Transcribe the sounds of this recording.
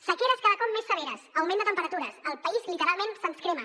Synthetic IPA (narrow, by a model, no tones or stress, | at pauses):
səkeɾəskaðəkɔmːesːəβ̞eɾəsəwmend̪ət̪əmpəɾət̪uɾəsəlˠpəizlit̪əɾalˠmẽnsənskɾemə